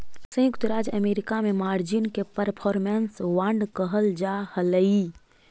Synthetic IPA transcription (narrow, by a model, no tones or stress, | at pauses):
sə̃jʊkt̪ɾaːd͡ʒəmeːɾɪkamẽmaːɾd͡ʒinkepəɾpʰɔːɾmensʋãɳɖkəɦəld͡ʒahələi